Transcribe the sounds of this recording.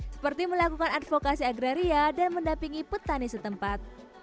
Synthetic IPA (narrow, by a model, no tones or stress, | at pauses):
sə̥pərt̪iməlakukanadfokasiaɡɾaɾiadanməndampiŋipət̪anisət̪əmpat̪̚